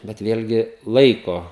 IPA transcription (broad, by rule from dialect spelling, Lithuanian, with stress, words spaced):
bʲɛt ˈʋʲeːlʲɡʲɪ ˈlˠɐɪkoː